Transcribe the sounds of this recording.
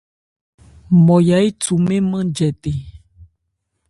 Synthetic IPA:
mɔ̃˨ja˨˦i˦tu˨mẽ˦mə̃˦d͡ʒɛ˨t̪e˨

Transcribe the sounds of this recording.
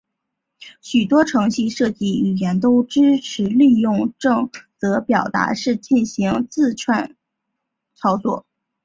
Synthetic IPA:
ɕy˨˩t̪wɔ˥ʈ͡ʂʰɤ˧˥ŋɕi˥˧ʂɤ˥˧t͡ɕi˥˩i˨˩jɛ˧˥nt̪o˥ʊʈ͡ʂɻ̩˥ʈ͡ʂʰɻ̩˧˥li˥˧jʊ˥˧ŋʈ͡ʂɤ˥˩ŋt͡sɤ˧˥pjɑ˨˩ʊt̪a̰˧˥ʂɻ̩˥˧t͡ɕi˥˩nɕi˧˥ŋt͡sɹ̩˥˧ʈ͡ʂʰwa˥˩n | t͡sʰɑ˥ʊt͡swɔ̰˥˩

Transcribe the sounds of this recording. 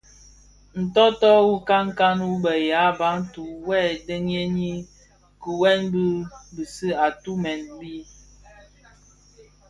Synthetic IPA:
n̩˨tɔ˦tɔ˦wu˦ka˦ŋka˦nwu˦bə˨ja˨˦ba˨˦ŋ˦tu˨wɛ˦˨də˦ŋje˦ɲi˦ | ku˨wɛ˦nbi˦bi˨si˦a˨tu˦mɛ˨nbi˦

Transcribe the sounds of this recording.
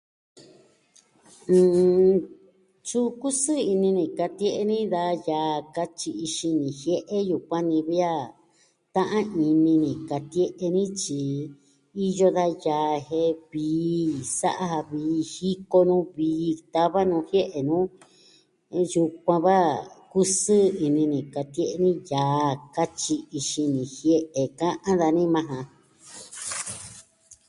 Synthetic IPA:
ɨ̃˧ | t͡ʃu˦ku˦sɨ˦i˧nĩ˧nĩ˨ka˧t̪je˦ʔe˧nĩ˦ða˧jaː˨ka˧t͡ʃi˧i˧ʃi˧nĩ˨hje˦ʔe˦ju˨kʷã˦nĩ˧βi˦a˦ | t̪ã˦ʔã˦i˧nĩ˧nĩ˨ka˧t̪e˦ʔe˧nĩ˦t͡ʃi˧ | i˦jo˦ða˧jaː˨he˧βiː˨˧˦sa̰˦ʔa˦ha˧βiː˨˧hi˦ko˧nũː˦βiː˨˦˧t̪a˦βa˦nũː˧hje˦ʔe˨nũː˦ | ju˧k̚ʷã˧βa˦ku˦sɨ˦i˧nĩ˧nĩ˨ka˧t̪je˦ʔe˧nĩ˦jaː˨ka˦t͡ʃi˧i˧ʃi˧nĩ˧hje˦ʔe˨kã˦ʔã˦ða˧nĩ˦mã˧ɦã˧

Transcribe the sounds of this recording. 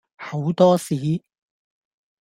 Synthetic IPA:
ho˨˥wt̪ɔː˥siː˨˥˦

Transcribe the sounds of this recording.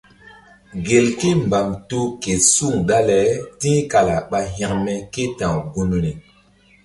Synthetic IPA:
ɡe˨lke˦mba˨mtu˦ke˨su˦ŋɗa˦lɛ˨˦tĩ˦ka˨la˨ɓa˦ɦã˦˨ŋmɛ˦ke˦tã˨ɡu˦nɾe˨

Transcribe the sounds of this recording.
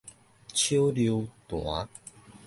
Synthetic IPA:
t͡ɕʰjo˦lju˧t̪w̃a˨˦

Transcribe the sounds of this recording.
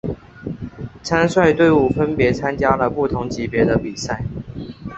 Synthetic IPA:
t͡sʰa˦˥nswa˥˧ɪt̪we˥˧ɪu˥˩fə˦˥npjɛ˨˥˦t͡sʰa˦nt͡ɕja˥lə˨pu˥˩t̪ʰʊ˧˦ŋt͡ɕi˨˥pjɛ˨˧˥d̪ə˧pi˨˩sa˥˩ɪ

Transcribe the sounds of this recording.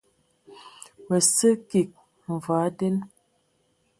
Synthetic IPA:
wə˨sə˦ki˨k̚ | m̩˨va˨˦de˦n

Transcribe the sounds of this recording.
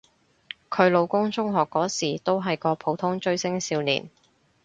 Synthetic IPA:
kʰɵ˨˧ɥlo˨˧wkʊ˥ŋt͡sʊ˥ŋɦɔː˨kːɔː˨˥siː˨˩t̪o˥wɦɐ˨jkɔː˧pʰo˨˧˥wt̪ʰʊ˥ŋt͡ʃɵ˧ɥsɪ˥ŋsiː˧wnḭː˨˩n

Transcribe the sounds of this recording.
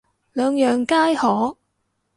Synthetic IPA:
lœː˨˧ŋjœː˨ŋkaː˥jhɔː˨˥

